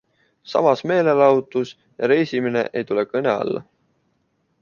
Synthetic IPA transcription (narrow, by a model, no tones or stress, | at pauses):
sɑ̰mɑsme̞ːle̞lɑwt̪ˑus | jɑɾe̞jsimine̞̰ʔejt̪ule̞kɤne̞ɑ̰lːɑ̰